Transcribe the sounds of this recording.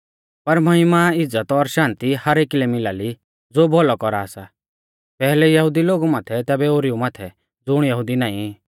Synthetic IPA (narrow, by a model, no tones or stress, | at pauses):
pɐɾmɐɦɪmaɪd͡zət̪ɔːɾʃãːnt̪ihɐɾeːkilɛmɪlaːli | d͡zoːbʱɔlɔkɔɾaːsa | pɛːɦlɛjɐɦʊd̪iloːɡumaːt̪ʰɛt̪ɛːbɛoːɾiumaːt̪ʰɛ | d͡zʊɽ̃jɐɦʊd̪inaːĩ